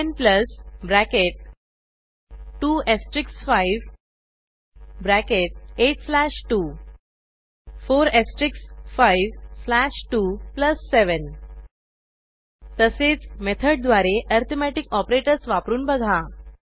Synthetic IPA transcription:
npləsbɾækeʈ̚ | ʈuːesʈɾiksfaiʋ | bɾækeʈ̚eʈ̚slæʂʈuː | foɾesʈɾiksfaiʋslæʂʈupləsːeʋən | t̪əset͡smet̪ʰəɖd̪ʋaɾeʔəɾt̪ʰomæʈikɔpɾeʈəɾsʋapɾuːnbəɡʱa

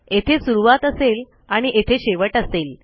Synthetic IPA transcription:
et̪ʰesuɾuʋat̪əsel | aɽ̃iʔet̪ʰeɕeʋəʈəsel

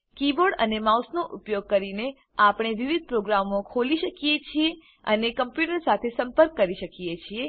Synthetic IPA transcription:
kiboɽə̰nemawsnoʔupjoɡ̚kəɾine | apɳ̃eʋiʋid̪̚pɾoɡɾamokʰoliʃəkijet͡ʃʰie | ənekəmpjuʈəɾsat̪ʰesəmpəɾkːəɾiʃəkijet͡ʃʰie

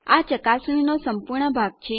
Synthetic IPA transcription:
at͡ʃəkasninosəmpuɾɳəbʱaɡ̚t͡ʃʰe

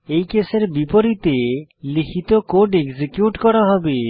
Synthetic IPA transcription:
ejkeseɾbipoɾit̪elikʰit̪okoɖeɡzikjuʈkɔɾaɦɔbe

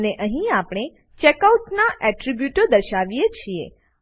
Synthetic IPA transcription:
neʔəɦĩapɳ̃e | t͡ʃekauʈnaʔɛʈɾibjuʈəɾd̪əɾʃaʋijet͡ʃʰiḛ

